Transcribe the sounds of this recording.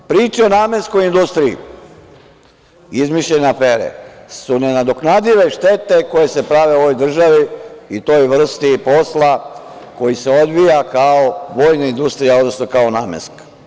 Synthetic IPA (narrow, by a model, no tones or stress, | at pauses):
pɾiːt͡ʃeo̞naːme̞nsko̞jind̪ust̪ɾiḭ | izmiʃʎeneafeːɾḛsunenad̪o̞knad̪iʋe̞ʃt̪et̪e̞ko̞jese̞pɾaʋe̞o̞ʋo̞jd̪r̩ʒaʋiit̪o̞jʋr̩st̪ipo̞slˠa | ko̞jiseo̞d̪ʋijakaoʋo̞ːjnaind̪ust̪ɾijaod̪nosnokaonaːmḛsk